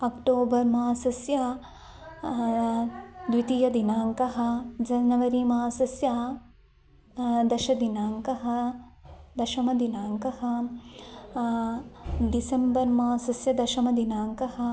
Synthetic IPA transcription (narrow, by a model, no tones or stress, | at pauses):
ɐkʈoːbɐɾmaːsɐsjɐ | d̪ʋit̪ijɐd̪inaːŋkɐɦɐ̆d͡ʒɐnɐʋɐɾimaːsɐsja | d̪ɐʃɐd̪inaːŋkɐɦɐ̆ | d̪ɐʃɐmɐd̪inaːŋkɐɦɐ̆ | ɖisembɐɾmaːsɐsjɐd̪ɐʃɐmɐd̪inaːŋkɐhɐ̆